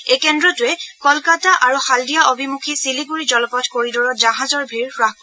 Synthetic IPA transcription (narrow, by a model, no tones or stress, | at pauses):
ekɛndɹɔtʊɛkɔlkataʔaɹuxaldijaʔobʱimukʰisiliɡuɹid͡ʒɔlɔpɔtkoɹidɔɹɔd͡ʒaɦazɔɹbʱiɹpɹaɦkɔ